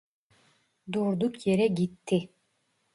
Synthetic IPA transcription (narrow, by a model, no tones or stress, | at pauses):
d̪uːɾd̪ukjɛɾɛɡit̪ʰːi